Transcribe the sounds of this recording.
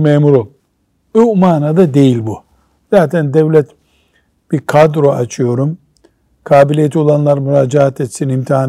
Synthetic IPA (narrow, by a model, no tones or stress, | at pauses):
meːmuɾolˠ | ømaːnad̪ad̪e̞jilʲbu | z̥aːt̪ʰɛnd̪ɛvlʲɛt̪ | b̥iɾkʰad̪ɾo̞at͡ʃʰɯjo̞ɾum | kʰaːbilʲijet̪ʰio̞lˠanlˠaɾmuɾaːd͡ʒaɦat̪ʰet̪sinimt̪ʰiɦaːn